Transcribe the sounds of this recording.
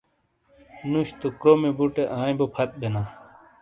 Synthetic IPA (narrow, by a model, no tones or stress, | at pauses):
nuɕt̪okɾomebuʈeʔãːĩbopʰɐt̪̚benaː